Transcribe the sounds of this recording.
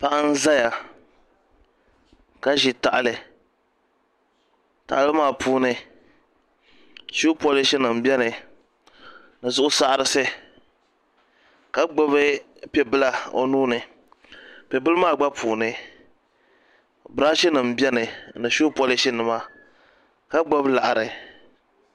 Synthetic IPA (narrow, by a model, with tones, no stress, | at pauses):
pa˦ʔa˦n̩˦za˦ja˨ | ka˦ʒi˨ta˨ʔa˨lɨ˨ | ta̰˨ʔlɨ˦maː˦˨pʰuː˦nɨ˨ | ʃu˦po˦lɪ˦ʃi˦nɨ˨m̩˨bʲɛ˦nɨ˨ | nɨ˨zʊ˦ʔʊ˦sa˦ʔa˦ɾɨ˦sɨ˦ | ka˦ɡ͡bo˦βɨ˦ | pɛ˨bɨ˦la˦o̰˨nuː˦nɨ˨ | pɛ˨bɨ˦lɨ˦maː˦˨ɡ͡ba˦puː˨nɨ˨ | bɨ˨ɾa˦ʃi˦nɨ˨m̩˨bɛ˦nɨ˨nɨ˨ʃu˦po˦lɪ˦ʃi˦nɨ˨ma˦ | ka˦ɡ͡bo˦bla˨ʔa˨ɾɨ˨